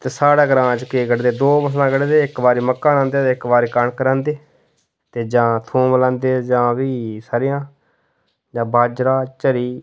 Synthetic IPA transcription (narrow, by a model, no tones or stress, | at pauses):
t̪eːsaːɽaːɡəɾãːt͡ʃkeːɡəɽd̪eːd̪oːbəslãːɡəɽd̪eːɪkbaːɾiːməkːãːnãːnd̪eːt̪eːɪkbaːɾiːkəɳkəɾãːnd̪eː | t̪eːd͡ʒãːt̪ʰũːməlãːnd̪eːd͡ʒãːbiːsaːɾɪjãː | d͡ʒãːbaːd͡ʒɾaːt͡ʃəɾiː